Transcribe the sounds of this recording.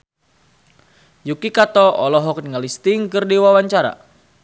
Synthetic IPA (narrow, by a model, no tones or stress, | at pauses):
jukikat̪ɔʔɔlɔɦɔknŋalist̪ɪŋkɨrdiwawaɲt͡ʃaɾa̰